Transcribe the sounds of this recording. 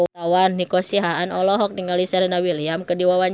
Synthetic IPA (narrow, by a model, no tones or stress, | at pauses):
awanːikɔsiɦaːnɔlɔɦɔk̚niŋalisɛɾnawiliamkədiwawaɲ